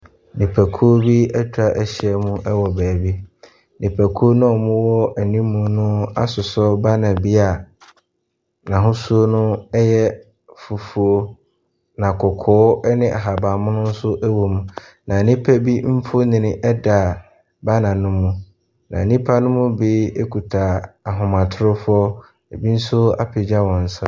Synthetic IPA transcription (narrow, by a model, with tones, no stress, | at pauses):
nĩ˨pʰæ˨kʰu˦o˦bi˦ɛ˦t͡ɕʰᶣa˦ʔɛ˨ɕɛ˦mũ˦ʔɛ˦wɔ˨bæː˨bi˦ | nĩ˨pʰæ˨kʰu˦o˦nʊ̃˦ɔ˨mʊ̃˦wɔ˦æ˨nĩ˦mũ˨nʊ̃˦a̰˦sʊ˨sɔ˦ba˦nã˨bi˦a˨ | nã˨ɦʊ̃˦su˦o˦nʊ̃˦ɛ˦jɛ˦ | fu˨fu˨o˦ | nã˨kʰɔ˨kʰɔː˨˦nɪ̃˦ʔa̰˨ɦa˨ba˨mʊ̃˦nʊ̃˦n̩˦sʊ˦ʔæ˦wo˨mũ˨ | nã˨nĩ˦pʰæ˦bi˦m̩˦fo˦nɪ̃˨nɪ̃˦ʔɛ˦da˨ | ba˦nã˨nʊ̃˦mːũ˨ | nã̰˨nĩ˦pʰa˦nʊ̃˦mʊ̃˦bi˦e˦kʰu˨tʰa˨a˨ɦʊ̃˨mã˨tʰʊ˦ɾʊ˦fɔ˦ | e˨bi˦n̩˦sʊ˦a̰˦pʰɪ˨d͡ʑa˦wɔ̃˨n̩˨sã˦